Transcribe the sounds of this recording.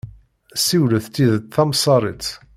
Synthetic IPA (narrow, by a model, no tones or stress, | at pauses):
siwləθt̪ːiðəθɑmsˤɑɾˤit͡s